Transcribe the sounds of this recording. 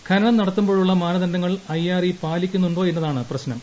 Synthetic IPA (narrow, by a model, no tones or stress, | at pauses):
kʰɐɾɐɳɐmnɐɽɐt̪ːumbo̞ːɻuɭːɐmaːnɐðɐndɐŋːɐɭɐjːaːripaːlikʲːunːuɳɖo̞ːenːɐðaːɳɨprɐɕnɐm